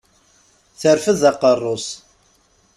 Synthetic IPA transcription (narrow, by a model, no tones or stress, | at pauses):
θəɾfəðɑqərˤːos